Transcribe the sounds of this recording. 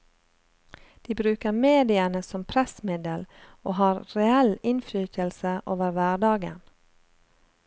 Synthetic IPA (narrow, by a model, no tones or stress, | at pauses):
d̪̥iːbɾʉːkəɾmeːd̪ɪənəsɔmpʰɾɛsmɪd̪əl | oːhɑːɾɾɛɛlɪnflyːtəlsəʔoːʋəɾʋæːɖɑːɡə̰n